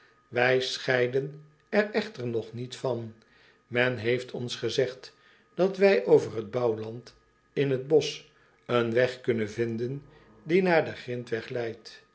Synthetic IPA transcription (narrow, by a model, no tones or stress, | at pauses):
ʋɛjsχɛjdən | ɛrɛχtəɹnɔχnitfɑn | mɛnɦejftʰɔnsχəzɛχt | d̥ɑtʋɛjʔowvərɦəd̚bɑwlɑnt | ɪnɦəd̚bɔs | ənʋɛχkɵnənvɪndən | dinaːɹdəχrɪntʋɛχlɛjt